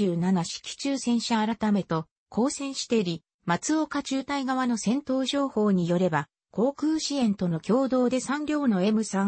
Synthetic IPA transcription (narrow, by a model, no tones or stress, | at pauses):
ɨːnanaɕi̥kʲi̥t͡ɕɨːsẽ̞ɰ̃ɕaːɾat̪ame̞t̪o̞ | kʰo̞ːsẽ̞ɰ̃ɕi̥t̪e̞ɾʲi | mat͡sɨo̞kat͡ɕɨːt̪aiɡaβ̞ano̞sẽ̞nt̪o̞ːʑo̞ːho̞ːɲ̟ijo̞ɾe̞ba | ko̞ːkɯːɕiẽ̞nt̪o̞no̞kʲo̞ːd̪o̞ːd̪e̞sãɲɾʲo̞ːno̞e̞mɯ̟sã